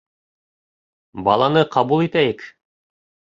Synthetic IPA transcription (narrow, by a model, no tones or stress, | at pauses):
bɑ̰lˠɑnɤqɑβulˠit̪æjɘk